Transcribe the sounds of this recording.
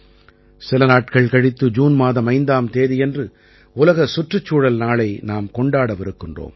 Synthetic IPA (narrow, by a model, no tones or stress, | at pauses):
sɪlɐnaːʈ̚kɐɭkɐɽɪt̪ːɯd͡ʒuːnmaːðɐmɐɪnd̪aːmt̪eːðɪjɛndrɯ | ʊlɐɣɐsʊʈrɯt͡ʃːuːɽɐlnaːɭɐɪnaːmkɔɳɖaːɽɐʋɪɾɯkːɪndro̰ːm